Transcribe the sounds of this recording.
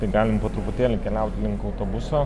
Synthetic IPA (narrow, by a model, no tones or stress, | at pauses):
t̪ɐɪɡɑːlʲɪmpoːt̪ɾʊpʊt̪ʲeːlʲʊkʲɛlʲɛˑʊt̪ʲlʲɪŋkɐʊt̪oːbʊsoː